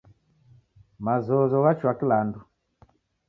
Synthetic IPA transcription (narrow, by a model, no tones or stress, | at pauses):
mazɔzɔɣat͡ʃwakilandu